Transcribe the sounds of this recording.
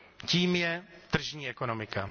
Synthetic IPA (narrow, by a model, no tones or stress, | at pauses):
ciːmjɛt̪r̩ʒɲiːɛkonomɪka